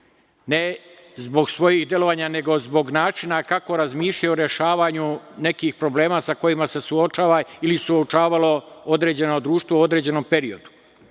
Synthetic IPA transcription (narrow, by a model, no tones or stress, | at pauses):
ne | zbo̞ɡsʋo̞jiɦd̪je̞lo̞ʋaːɲane̞ɡo̞zbo̞ɡnaːt͡ʃinakako̞ɾazmiːʃʎajoɾje̞ʃaːʋaɲune̞kiːxpɾo̞ble̞ːmaːsako̞jimase̞suot͡ʃaːʋailisuot͡ʃaːʋalo̞od̪ɾe̞ːd͡ʑe̞nod̪ɾuːʃt̪ʋoo̞d̪ɾe̞ːd͡ʑe̞no̞mpe̞ɾiod̪u̥